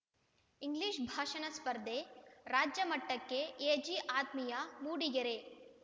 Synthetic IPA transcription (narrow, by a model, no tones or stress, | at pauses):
iŋɡliːʃbʱaːʃɐnɐspɐɾd̪ʱeɾaːd͡ʒjɐmɐʈːɐkːeeːd͡ʒiʔaːt̪mijɐmuːɽiɡɐɾe